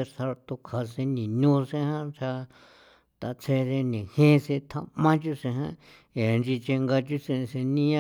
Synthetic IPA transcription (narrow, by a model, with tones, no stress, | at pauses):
e˧sa˧ɾt̪o˧kʰa˨sẽ˧nĩ˨ɲũ˦sẽ˦hã˦t͡ʃʰa˧ | t̪a˨t͡sʰe˧ðe˧nĩ˨hẽ˦se˧t̪ʰa˧mã˦t͡ʃu˦sẽ˧ɦã̰˦ | e˨˧nd͡ʒi˧t͡ʃe˧ŋɡa˧t͡ʃu˦se˧se˧nĩ˦ã˦